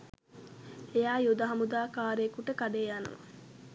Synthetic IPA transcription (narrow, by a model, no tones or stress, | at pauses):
ejaːjud̪ɐɦɐmud̪aːkaːɾeːkuʈəkaɖeːjanɐ̰ʋɐ̰